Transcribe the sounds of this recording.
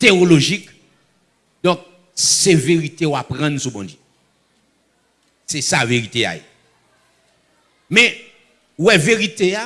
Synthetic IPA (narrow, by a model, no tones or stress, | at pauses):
t̪eoloʒik | d̪ɔ̃k̚ | seveʁit̪eoapʁãnsubɔ̃dø | sɛsaveʁit̪ea̰jḛ | mɛ̃ | wɛveʁit̪ea